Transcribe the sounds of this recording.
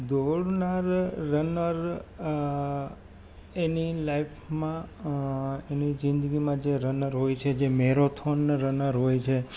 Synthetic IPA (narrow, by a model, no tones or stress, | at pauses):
d̪oɽnaɾːənəɾ | enilajpʰmã | enid͡ʒɪ̃nd̪əɡimãd͡ʒeɾənəɾɦojt͡ʃʰed͡ʒemeɾot̪ʰonɾənəɾɦojt͡ʃʰe